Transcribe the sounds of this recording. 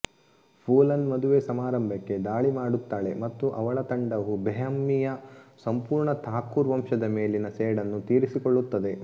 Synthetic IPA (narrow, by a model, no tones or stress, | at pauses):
pʰuːlɐnmɐd̪uʋesɐmaːɾɐmbʱɐkːe̞d̪aːɭimaːɽut̪ːaːɭe̞mɐt̪ːuʔɐʋɐɭɐt̪ɐɳɖɐʋubʱɛjɐmːijɐsɐmpuːɾɳɐt̪ʰaːkːuːɾʋɐmʂɐd̪ɐme̞ːlinɐseːɽɐnːut̪iːɾisikoɭːut̪ːɐd̪e̞